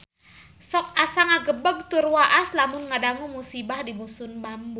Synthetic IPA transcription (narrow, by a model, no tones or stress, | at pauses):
sɔk̚asaŋaɡəbəɡ̚t̪urwaʔaslamʊnŋadaŋumusibahdimusʊnbambu